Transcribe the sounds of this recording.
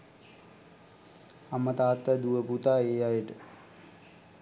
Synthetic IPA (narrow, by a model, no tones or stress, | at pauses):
amət̪aːt̪ːəd̪uʋəput̪aːeːajəʈə